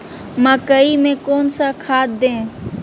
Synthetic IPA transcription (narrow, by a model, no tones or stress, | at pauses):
məkəimẽkoːnsakʰaːt̪̚d̪ẽː